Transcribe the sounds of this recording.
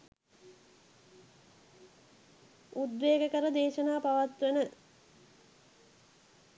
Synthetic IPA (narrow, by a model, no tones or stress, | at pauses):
ud̪ʋeːɡəkəɾəd̪eːʃənaːpaʋat̪ʋɐnə